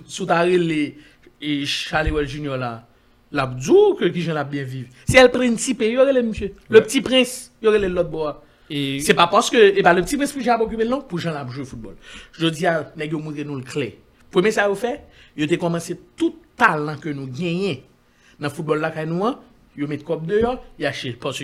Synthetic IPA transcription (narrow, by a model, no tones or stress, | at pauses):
sũt̪aʁele | eʃalewɛlʒynjɔla | lap̚d͡zukøk̬ĩʒãlap̚bjɛ̃viv | sɛɛlpʁɛ̃nsipejoɣeleməsjøløpt͡sipʁɛ̃s | joɣelelɔt̪̚bɔa | sɛpapaskøepaløptipʁɛ̃spiʒãapok̬ypelnũpuʒãlapʒuwefut̪̚bɔ̰lʒod͡zianɛɡjomũt̪enũlkʰlɛ̰ | pʁømjesajofɛjot̪ekɔmɐ̃set̪utːalɐ̃kønũɡɛ̃jɛ̃ | nɐ̃fut̪̚bɔlːakajnũɐ̃ | jomɛt̪̚kɔp̚d̪øjɔjaʃepɔsø